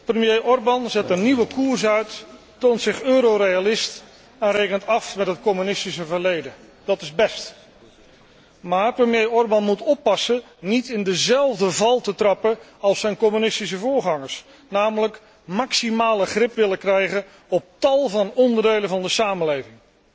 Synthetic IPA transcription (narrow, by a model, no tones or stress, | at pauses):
prəmjejʔɔɹbɑnzɛtəniʋəkuɹsœɥtː | oːntsɪχøːɾorejalɪst | ɛnrejkəntɑfmɛtɦət̚kɔmynɪstisəvəɹlejdə | d̥ɑtɪzbɛst | maːɹprəmjejɔɹbɑnmutɔpːɑsə | nitɪndəzɛlˠvdəvɑlˠtətrɑpəɑlˠsɛjnkɔmynɪstis̬əvʊːɹχɑŋəɹs | naːmələk | mɑksimaːləχrɪpʋɪləkrɛjχən | ɔp̚tɑlˠvɑnɔndəɹdejlənvɑndəsaːməlejvɪŋ